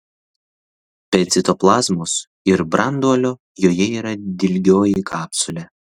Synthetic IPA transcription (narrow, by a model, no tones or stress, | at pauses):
pʲɛt̪sʲɪt̪oːplˠɑːzmʊs | ɪɾbɾɐnd̪uɔlʲoː | joːjɛiːɾɐd̪ʲɪlʲɡʲoːjikʰɑːpʲsʊlʲɛ